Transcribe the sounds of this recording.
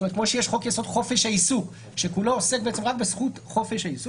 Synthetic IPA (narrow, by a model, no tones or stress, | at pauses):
ometkmo̞ʃejeʃχo̞kjaso̞dχo̞fe̞ʃaisuk | ʃe̞kuloosek̚beet͡semʁak̚besχut | χo̞feʃaisu